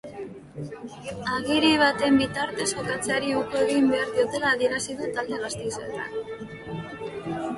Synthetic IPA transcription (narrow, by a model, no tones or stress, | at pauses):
aɣiɾiβ̞at̪e̞mbit̪aɾt̪e̞so̞kat͡seaɾiukoe̞ɣimbe̞aɾðio̞t̪e̞laːðie̞ɾasiðut̪ald̪e̞ɣast̪isoḛt̪a̰n